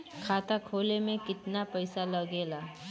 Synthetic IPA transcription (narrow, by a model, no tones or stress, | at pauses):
kʰaːt̪akʰoːlemẽkɪt̪napɐɪsalɐɡeːlaː